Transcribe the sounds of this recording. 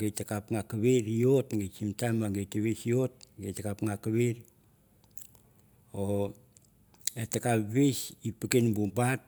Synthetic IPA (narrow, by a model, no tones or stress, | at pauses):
ɡetakapŋakaβeɾiotɡet͡ʃimtamaɡejteβesiot̚ɡejtakapŋakaβiɾ | o | etakapβesipikenbubat̚